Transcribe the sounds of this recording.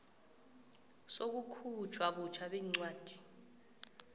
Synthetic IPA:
sok̬ukʰut͡ʃʰwaɓut͡ʃʰaɓɛːŋ͡ǀwaːd̥ʱi̥

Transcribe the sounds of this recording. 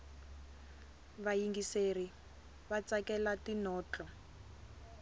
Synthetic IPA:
βajiŋɡiseri | βat͡sakɛlatinɔːt͡ɬɔ

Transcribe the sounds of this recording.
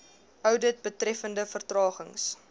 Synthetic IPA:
œwdət̚bətrɛfəndəfərtrɑːχəŋs

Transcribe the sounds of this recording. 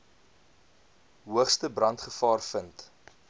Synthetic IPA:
ɦuəχstəbrɐntχəfɑːrfənt

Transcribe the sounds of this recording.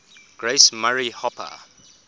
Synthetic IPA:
ɡ̥ɹesmaɹihɔpʰə̰

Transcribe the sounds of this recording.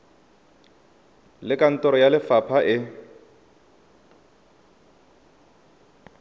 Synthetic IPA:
lɪkʼan̩tʼɔɾɔjalɪfapʰaʔɪ

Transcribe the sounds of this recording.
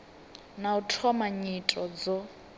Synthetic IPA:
nautʰɔmaɲitʼɔd͡zɔ

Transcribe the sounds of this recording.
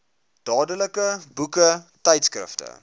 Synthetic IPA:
d̥ɑːdələkəbukətɛjtskrə̰ftə̰

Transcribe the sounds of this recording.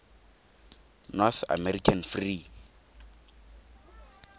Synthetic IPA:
nɔθa̰mɛrikʰanfri

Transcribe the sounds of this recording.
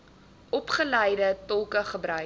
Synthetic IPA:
ʔɔpχəlɛjdətɔlˠkəχəbɾœ

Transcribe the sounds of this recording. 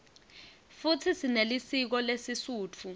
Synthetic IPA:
futʰisinelisik̬ɔlesisuːt͡fʰu

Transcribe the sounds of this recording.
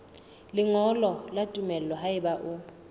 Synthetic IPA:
lɪŋɔlɔlatʼumɛlɛlɔɦaɪɓaʔʊ

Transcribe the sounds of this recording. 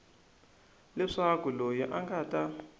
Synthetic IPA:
lɛʂakulojiʔaŋɡata

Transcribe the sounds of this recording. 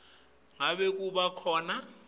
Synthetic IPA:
ŋaɓek̬ʼuɓakʰɔːna

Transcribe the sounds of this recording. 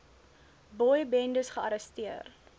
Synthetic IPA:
bɔjbɛndəsχəɐɾəstiər

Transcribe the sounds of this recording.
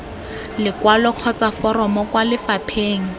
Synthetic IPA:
lɪkwalɔq͡χʰɔt͡safɔrɔmɔkwalɪfapʰeːŋ̩

